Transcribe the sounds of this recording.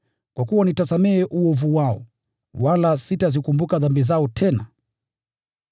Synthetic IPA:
kwakuwanitasamɛɛʔuɔvuwaɔ̰ | walasitazikumbukaðambizaɔtʰɛna̰

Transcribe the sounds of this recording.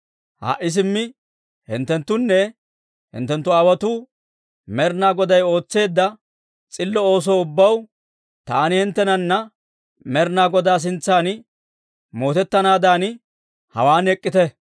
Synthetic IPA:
ha̰ːʔɪs̬ɪmːɪ | hɪ̰nt̪ːɛnt̪ːʊnːɛ | hɪ̰nt̪ːɛnt̪ːʊɐwɐt̪u | mɛɾnaːɡɔd̪ɐjo̞ːt͡sːe̞ːd̪ːɐ | t͡sʼɪlːɔoːs̬oːʊbːɐw | t̪aːnɪhɪnt̪ːɛnɐnːɐ | mɛɾnaːɡɔd̪aːs̬ɪnt͡sːaːn | mo̞ːt̪ɛt̪ːɐnaːd̪aːn | hɐ̰waːnɛkʼːɪt̪ɛ

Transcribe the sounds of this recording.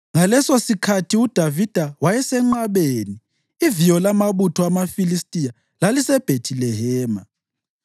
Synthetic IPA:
ŋalɛsosikʰatʰiud̥ʱavid̥ʱawajɛsɛŋ͡ǃaβeːni | ivijɔlamaβutʰɔamafilistʼija | lalisɛb̥ʱetʰilɛɦɛːma̰

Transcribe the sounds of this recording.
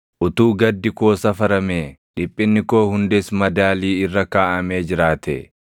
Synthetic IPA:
ʔʊt̪uːɡɐd̪ːɪko̞ːsɐfɐɾɐmeːᶑɪpʼːɪnːɪko̞ːhʊnd̪esmɐd̪aːliːɪrːɐkaːʔɐmeːd͡ʒɪɾaːt̪ɛ̰

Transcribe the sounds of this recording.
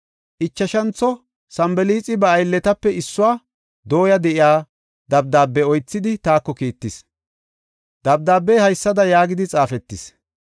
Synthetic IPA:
ʔɪt͡ʃːɐʃɐnt͡sːɔ | sɐmbɛliːt͡sʼɪbɐːjlːɛt̪ɐpːɛɪsːʊwaː | d̪o̞ːjɐd̪ɛʔɪjaː | d̪ɐb̚d̪aːbːɛɔjt͡sːɪd̪ɪt̪aːkːɔkiːt̪ːɪs | d̪ɐb̚d̪aːbːɛjhɐjsːɐd̪ɐjaːɡɪd̪ɪt͡sʼaːfɛt̪ːɪs

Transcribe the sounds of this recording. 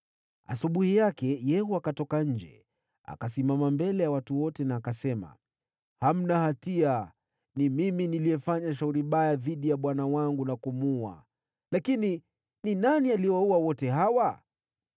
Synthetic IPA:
a̰suɓuhijakɛjɛhuakatɔkaɲ̩d͡ʒɛ̰ | a̰kasimamambɛlɛjawatuwɔtɛnaːkasɛma̰ | ham̩nahatia | nimiminiliɛfaɲaʃ̬auɾimɓajaðiɗijaɓwanawaŋɡunakumua̰ | lakini | ninanialiɔwauwawɔtɛɦawa

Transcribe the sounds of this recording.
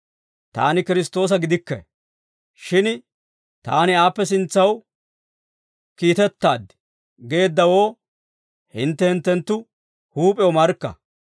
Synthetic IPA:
t̪a̰ːnɪkɪɾɪst̪o̞ːs̬ɐɡɪd̪ɪkːɛ̰ | ʃɪn | t̪aːnɪaːpːɛs̬ɪnt͡sːɐw | kiːt̪ɛt̪ːaːd̪ɪ̥ | ɡe̞ːd̪ːɐwo̞ː | hɪnt̪ːɛhɪnt̪ːɛnt̪ːʊ | huːpʼɛɔmɐɾkːɐ̰

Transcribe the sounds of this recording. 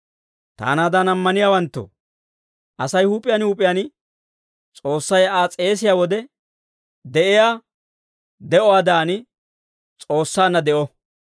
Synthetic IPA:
t̪a̰ːnaːd̪anɐmːɐnɪjaːwɐnt̪ːo̰ | ʔɐsɐjhuːpʼːɪjanhuːpʼːɪjan | t͡sʼo̞ːsːɐjaːt͡sʼe̞ːs̬ɪjaːwɔd̪ɛ | d̪ɛʔɪjaː | d̪ɛʔɔwaːd̪aːnɪ | t͡sʼo̞ːsːaːnːɐd̪ɛʔɔ

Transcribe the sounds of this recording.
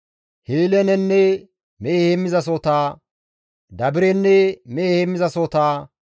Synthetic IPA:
heːlɛnɛnːɛ | meːhemːɪzɐs̬oːt̪aː | d̪ɐbɪɾɛnːɛmehemːɪzɐsot̪aː

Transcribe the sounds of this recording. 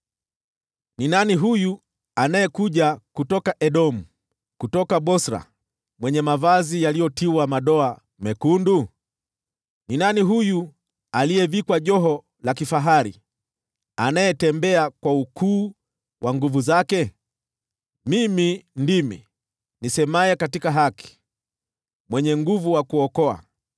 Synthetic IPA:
ninaniɦuju | anajɛkuʄakutɔkaʔɛɗɔm̩ | kutɔkaɓɔsɾa̰ | mwɛɲɛmavazijalijɔtiwamaɗɔa | mɛkundu | ninaniɦuju | alijɛvikwaʄɔɦɔ | lakifaɦaɾi | anajɛtɛmbɛakwaukuː | waŋɡuvuzakɛ | mimindimḭ | nisɛmajɛkatikaɦaki̥ | mwɛɲɛŋɡuvuwakuɔkɔa̰

